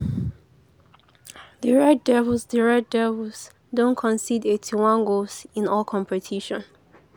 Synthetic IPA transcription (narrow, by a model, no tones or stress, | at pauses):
diɹɛdɛvəsdiɹɛt̚dɛvəs | dõnkʰɔ̃nsidetʰiwãŋɡosĩnɔlkʰɔ̃mpʰɛtʰiʃɔ̃n